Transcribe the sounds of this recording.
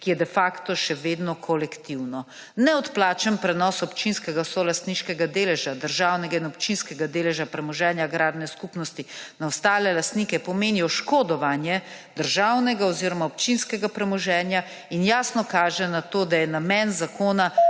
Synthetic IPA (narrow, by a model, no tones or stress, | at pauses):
kijɛd̪ɛfakt̪ɔʃɛʋeːd̪nɔkʰɔlɛkt̪iwnɔ | nɛɔt̪plaːt͡ʃəmpɾɛnɔːsɔpt͡ʃinskɛɡasɔlast̪niʃkɛɡad̪eːlɛʒad̪əɾʒawnɛɡainɔpt͡ʃinskɛɡad̪eːlɛʒapɾɛmɔʒɛːnjaɡɾaːd̪nɛskupnɔst̪inaɔst̪aːlɛlast̪niːkɛpɔmeːniɔʃkoːd̪ɔʋanjɛ | d̪̥əɾʒawnɛɡaɔziɾɔmaop̚t͡ʃinskɛɡapɾɛmɔʒɛːnja | injaːsnɔkaːʒɛnat̪oːd̪ajɛnamɛnzakʰoːna